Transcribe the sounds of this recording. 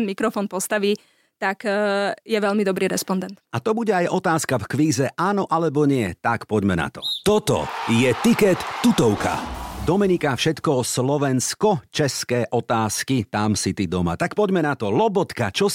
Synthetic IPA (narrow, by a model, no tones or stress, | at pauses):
nmikɾɔfɔːnpɔst̪aʋiː | t̪akjɛʋɛʎmid̪ɔbɾiːɾɛspɔnd̪ɛnt̪at̪ɔbuɟɛajʔɔt̪aːskafkʋiːzɛʔaːnɔʔalɛbɔɲɪɛt̪akpɔɟmɛna̰t̪ɔ̥t̪ɔt̪ɔ̰jɛt̪ikɛt̪ːut̪ɔʊkʰa̰d̪ɔmɛnikafʃɛt̪kɔslɔʋɛnskɔt͡ʃɛskɛːʔɔt̪aːskit̪amsit̪id̪ɔma̰t̪akpɔɟmɛnat̪ɔlɔbɔt̪kat͡ʃɔ